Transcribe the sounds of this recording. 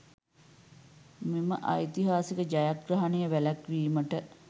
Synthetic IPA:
meməʔa̰jt̪iɦaːsikəd͡ʒajak̚ɾɐɦɐnejəʋælækʋiːməʈə

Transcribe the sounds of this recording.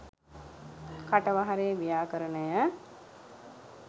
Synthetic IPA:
kaʈəʋaɦaɾeːʋijaːkəɾənəjə

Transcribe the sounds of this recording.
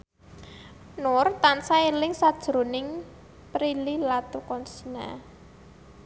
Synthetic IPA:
nʊrt̪ansaelɪŋsad̥ʒ̥ɾo̤nɪŋ | pɾililat̪ukɔnsina̰

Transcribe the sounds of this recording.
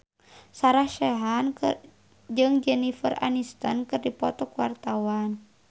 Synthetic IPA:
saɾahʃɛɦan | d͡ʒɨŋd͡ʒɛnifəra̰nist̪ankɨrdipɔt̪ɔkuwart̪awan

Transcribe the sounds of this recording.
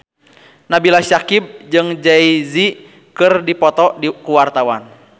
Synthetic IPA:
nabilaʃakib̚d͡ʒɨŋd͡ʒaizi | kɨrdipɔt̪ɔdikuwart̪awan

